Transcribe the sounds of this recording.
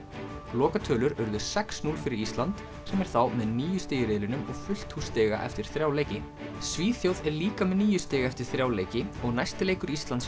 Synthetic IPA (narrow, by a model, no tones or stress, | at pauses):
lɔːkat̪ʰœːlʏɾœɾðʏ̥sɛksnuːlfɪɾɪɾist̪lant̪ | sɛmɛɾ̥θawmɛðniːjʏst̪eːjɪɾɪːðlɪnʏmɔɣfʏl̥t̪hust̪ɛːɣa̰ʔɛ̰ft̪ɪɾ̥θɾjaːwleːjcɪ | sviːθjowðɛɾliːkamɛðniːjʏst̪ɛːɣaɛft̪ɪɾ̥θɾjaːwleːjcɪɔɣnajst̪ɪleːjkʏɾist̪lant̪s